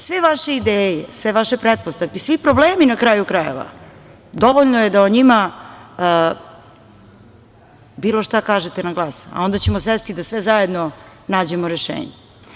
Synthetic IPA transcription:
sʋeʋaʃeid̪eːjesʋeʋaʃe̞pɾet̪̚post̪aʋkesʋipɾobleːminakɾaːjukɾajḛʋa̰ | d̪o̞ʋoʎnojed̪aoɲima | biːloʃt̪akaːʒet̪enaɡlˠaːsa̰o̞nd̪at͡ɕemosʋest̪id̪asʋezaje̞d̪no | naːd͡ʑemoɾeʃḛːɲe

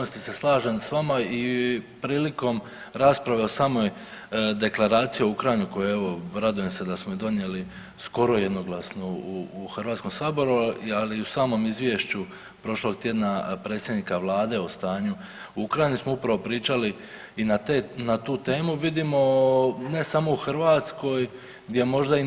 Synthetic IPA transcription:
ost̪ise̞slˠaːʒensʋamaipɾiːliko̞m | ɾaːspɾaʋe̞osaːmo̞j | d̪e̞klˠaɾaːt̪sijioukɾajinuko̞jee̞ʋo̞ɾad̪uje̞mse̞d̪asmoid̪o̞nje̞li | sko̞ɾo̞je̞d̪no̞ɡlˠasnouːxrɾʋat̪sko̞msaːbo̞ɾualiusaːmo̞mizʋje̞ʃt͡ɕu | pɾo̞ʃlo̞ɡt̪je̞d̪napɾe̞ːt̪sʲje̞d̪nikaʋlˠaːd̪e̞o̞st̪aːɲu | uukɾajinismoupɾaʋo̞pɾiːt͡ʃali | inat̪enat̪uːt̪e̞ːmuʋid̪imo̞ne̞samo̞uxɾʋaːt̪sko̞j | ɡd̪ʲje̞mo̞ʒd̪ai

